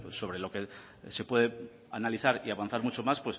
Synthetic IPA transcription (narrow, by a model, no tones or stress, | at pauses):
pwesːo̞βɾelo̞ke̞ | se̞pwe̞ðe | analiθaɾiaβanθaɾmut͡ʃo̞maspwe̞s